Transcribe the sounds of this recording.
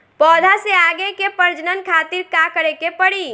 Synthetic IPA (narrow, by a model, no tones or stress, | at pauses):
pɔːd̪ʱaseaːɡekepəɾd͡ʒnənkʰaːt̪iɾkakəɾekepəɽi